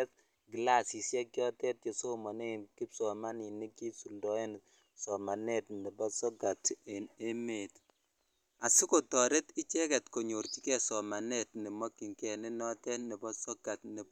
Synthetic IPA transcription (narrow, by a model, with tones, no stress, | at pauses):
t | ɡi˨la˦si˨sjɛ˦kjɔ˦tɛ˦t̚je˨so˦mɔ˨ne˦ki˦psɔ˨ma˦ni˨ni˦ki˦su˨ldɔ˦e˦n | sɔ˨ma˨nɛ˦tni˨bɔ˦sɔ˦ɡa˨te˨ne˦me˨t | a˨si˦ko˨tɔ˨ɾe˦ti˦t͡ʃɛ˦kɛ˨tko˨ɲo˨ɾti˦kɛ˦˨sɔ˨ma˨nɛ˦tni˨mɔ˦kːi˨ŋkɛ˨ne˦nɔ˦tɛ˦ni˨bɔ˦sɔ˦ɡa˨tni˨